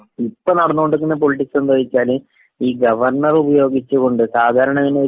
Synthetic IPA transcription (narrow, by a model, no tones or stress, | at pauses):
ipːonɐɽɐnːuɣo̞ɳɖɨŋːɐnːep̬o̞liʈːiksɐnd̪ʱɐːʋit͡ɕːaːlɨ | iːɡɐʋɐrɳɐrubɐjo̞ːɡit͡ɕːuɣo̞ɳɖɨsaːd̪ʱaːɾɐɳɐŋːɐnee